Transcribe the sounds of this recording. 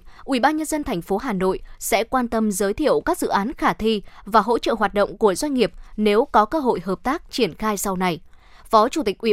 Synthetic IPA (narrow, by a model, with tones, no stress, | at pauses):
ʔi˧˩ɓaː˧nɲə˧nzə˧nt̪ʰɛ˨˩jŋ̟fo˨˦ɦaː˨˩no̰˧˨jsɛ̰˧˥kwaː˧nt̪ə˧mzəː˨˦jt̪ʰḭ˧˨əwkaː˦˥k̚zɨ̰˧˨ʔaː˨˦nxaː˧˩t̪ʰi˧vaː˨˩ɦo̰˧˥t͡ɕə̰ː˧˨ɦwaː˨˩t̚ɗə̰˧˨ŋ͡mku˧˩əzwa˧ŋ̟ŋi˨˩əp̚ne˨˦wkɔ˨˦kəː˧ɦo̰˧˨jɦəː˨˩p̚t̪aː˦˥k̚t͡ɕi˧˩ənxaː˧jsa˧wna˧jfɔ˨˦t͡ɕu˧˩t̪ï˨˩k̟̚ʔwi˧˩